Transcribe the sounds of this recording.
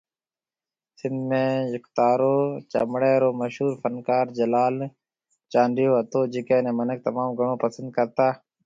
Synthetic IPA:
sɪnd̪mẽːjʊkt̪aːɾoːt͡ʃə̰mɽeːɾoːməʃuːɾfənkaːɾd͡ʒəlaːl | t͡ʃãːɳɖɪjoːət̪oːd͡ʒɪkeːnẽːmənək̚t̪əmaːmɡəɳõːpəsənd̪̚kəɾt̪aː

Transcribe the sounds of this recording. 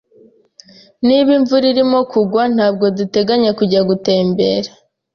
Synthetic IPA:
niβiɱvuɾiɾimo̞kʰuɡwan̥haːbɡo̞dute̞ɡaɲekuɟaɡute̞ːmbe̞ɾa

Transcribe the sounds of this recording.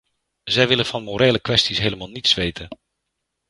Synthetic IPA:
zɛjʋɪləvɑnmoɾejləkʋɛstisɦejləmaːlˠnitsʋejtən

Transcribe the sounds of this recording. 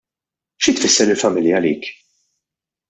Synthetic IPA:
ʃit̪fɪsːɛɾɪlfɐmɪljɐːlḭːk

